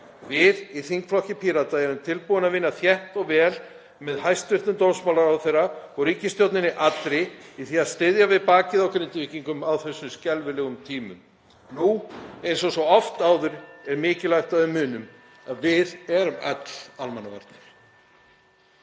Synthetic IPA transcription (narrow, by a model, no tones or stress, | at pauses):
vɪðiθiŋkflɔhcɪpʰiːɾat̪aɛɾʏmt̪ʰɪlpuwʏnaðvɪnːaθjɛht̪ɔɣvɛːl | mɛðhajst̪vɪr̥t̪ʏmt̪owsmawlaɾawθejrːaɔɣɾiːcɪst̪jowt̪nɪnɪʔat̪ɾɪiθiːast̪ɪðjavɪðpaːcɪðawkɾɪnt̪ɪviːciŋkʏmawθɛsːʏmscɛlvɪlɛɣʏmt̪ʰiːmʏ̰m | nuejnsɔsvɔɔft̪aːwðʏɾɛɾmɪːcɪlajht̪aɪmʏːnʏm | aðvɪðɛɾʏma̰t̪l̥a̰lmanːava̰ɾt̪̚nɪɾ̥